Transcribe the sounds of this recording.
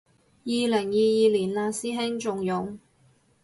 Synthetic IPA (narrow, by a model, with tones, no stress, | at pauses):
jiː˨˧lɪ˨˩ŋjiː˨˧jiː˨˧liː˨˩nlaː˧siː˥ɦɪ˥ŋt͡ʃʊ˨ŋjʊ˨ŋ